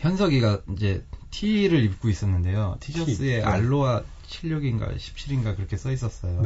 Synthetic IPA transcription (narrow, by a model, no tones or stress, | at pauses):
çjʌnsʰʌɡiɡaid͡ʑe̞tʰiɾɯɾip̚k͈ois͈ʌnːɯnde̞jotʰid͡ʑʌɯe̞ʔa̰ɭːowa | t͡ɕʰiʎːʌɡinɡa̰ɕʰi̥p̚ɕ͈ʰiɾinɡakɯɾʌkʰe̞s͈ʌis̬͈ʌs͈ʌjo